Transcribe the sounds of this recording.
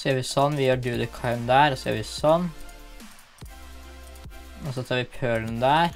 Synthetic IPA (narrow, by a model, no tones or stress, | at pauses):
sjøːɾʋɪsɔnːʋɪjøːɖʉːd̪əkʰɑɪmd̪æːɾɔsɔjø̰ːɾʋɪsɔn | ɔsɔt̪ʰɑːɾʋɪpʰøːɭənd̪æːɾ